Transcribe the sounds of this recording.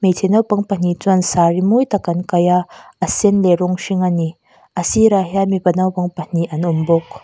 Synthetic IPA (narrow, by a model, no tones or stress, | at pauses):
mejtʰenɐwpɐŋpan̥it͡sɔnsaɾimujt̪ɐkːɐnkajaɐsenleɾɔŋʃiŋani | ɐsiɾaɦiamipɐnawpɐŋpɐn̥iʔɐnumbɔk̚